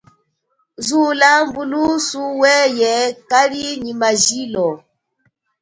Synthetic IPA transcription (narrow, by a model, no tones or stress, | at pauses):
zulambulusuwɛjɛkaliɲimaʒilɔ